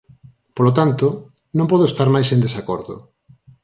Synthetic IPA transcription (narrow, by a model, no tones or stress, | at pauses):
polot̪ant̪o | nõmpɔð̞oest̪aɾmajsẽnd̪esakɔɾðo̰